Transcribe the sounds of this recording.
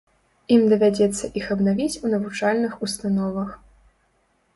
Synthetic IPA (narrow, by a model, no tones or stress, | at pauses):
imd̪ɐvʲad͡zʲɛt̪sːɐʔixɐbnavʲit͡sʲunɐvut͡ʂalʲnɨxust̪anɔvɐx